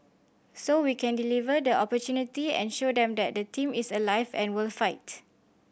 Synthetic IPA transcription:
sowikʰɛ̃ndilivədəʔɔpɔtjunitiɛ̰̃nʃodɛ̃mdɛt̚dətʰĩmisəlaɪvɛ̰̃nwilfaɪt

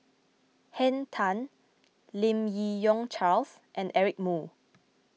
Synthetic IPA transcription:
hɛ̃ntʰãn | lĩmjijɔ̃ŋt͡ʃals | ʔɛ̃nɛɹik̚mu

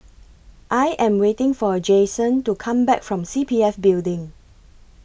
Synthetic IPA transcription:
ʔajʔɛ̃mwetɪ̃ŋfɔd͡ʒesə̃ntukʰãmbɛkfɹɔ̃msipʰiɛfbildɪ̃ŋ

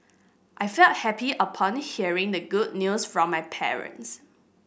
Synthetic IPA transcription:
ʔaɪfɛlt̚hɛpiəpʰɔ̃nhiəɹɪ̃ŋdəɡʊd̚njusfɹɔ̃mːajpʰɛ̰ɹə̰̃ns

